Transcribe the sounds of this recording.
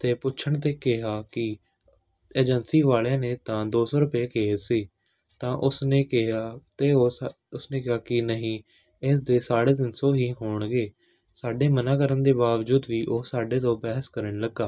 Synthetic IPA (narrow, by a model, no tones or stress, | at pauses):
t̪eːpʊtːʃʰəɳt̪̬eːkɪɦaːkɪ | eːd͡ʒənsiːʋaːlãːneːt̪ãːd̪oːsoːɾʊpeːkeɦsiː | t̪ãːʔʊsneːkɪɦaːt̪eː | ʊsneːkɪɦaːkɪnəɦĩː | ɪs̬d̪eːsaːɽeːd̪ɪnsoːɦiːɦoːɳɡeː | saːɖeːmənaːkəɾənd̪eːbaːʋd͡ʒuːd̪ʋiːʔoːsaːɖeːt̪õːbɛːɦəskəɾəɳləɡːaː